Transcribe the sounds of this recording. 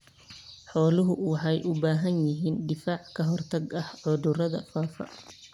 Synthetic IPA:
ħɔːlɪɦʊwɑħɑjʔʊbaːɦɐnjɪɦiːnɖ̪ɪfaːʕkʰɐɦɔrt̪ʰɐɡɐhʕʊd̪ʊrɐðɐfaːfɐ̰

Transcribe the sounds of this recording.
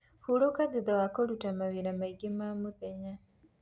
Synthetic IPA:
huɾɔkaduðawakoɾutamawiɾamaiɡemamoðɛɲa

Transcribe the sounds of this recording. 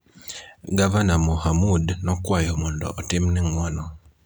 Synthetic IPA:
ɡavanamohamudnɔkwajɔmundɔ̰ʔːtimnɛŋwɔnɔ

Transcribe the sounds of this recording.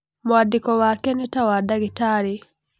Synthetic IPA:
moadikɔwakɛnɛtawadaɣitaɾi

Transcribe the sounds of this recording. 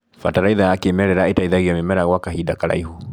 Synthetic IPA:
fataɾaiðajakemɛɾɛɾaetaiðaɣiamimɛɾaɣwakaɦidakaɾa̰ihu

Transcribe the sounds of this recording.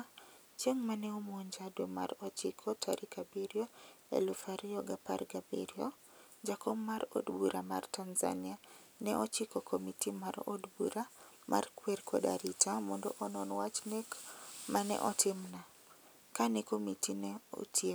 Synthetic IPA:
t͡ʃeŋmanɛomoɲd͡ʒadomaɾɔt͡ʃɪkʰɔtʰaɾʔikabiɾjɔɛ̰lufaɾiɔɡapa̰rɡabḭɾiɔ | d͡ʒakɔmmːaɾo̰dbuɾʔama̰rtanza̰nia | nɛʔɔt͡ʃɪkɔkʰomitimaɾo̰dbuɾa | mʔa̰rkwerkʰɔda̰ɾitʰamɔndɔʔɔnɔnwat͡ʃnekmanɛ̰ʔɔtɪmna | kanɛkomitinɛo̰tʰie

